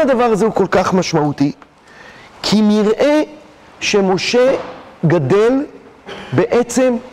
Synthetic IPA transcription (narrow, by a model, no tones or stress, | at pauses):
ad̪avaʁazeuko̞lkaχmaʃmaut̪i | kʰiniʁʔe̞ | ʃe̞mo̞ʃe̞ɡad̪e̞l | be̞ʔet͡se̞m